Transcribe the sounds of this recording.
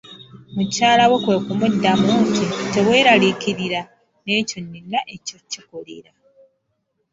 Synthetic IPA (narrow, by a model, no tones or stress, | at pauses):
mucaːlawekwe̞ːkumudːamuntite̞βwe̞ːɾalikiɾiɾa | ne̞ːconːinːaʔe̞cocːikolḭɾa